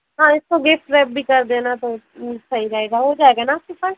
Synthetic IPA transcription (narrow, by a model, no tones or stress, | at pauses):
ɦãːɪskoɡeːpʈɾɛːb̚bʱiːkəɾd̪ẽːnaːt̪oː | səiːɾəeːɡaːɦoːd͡ʒaːeːɡaːnaːsʊpəɾ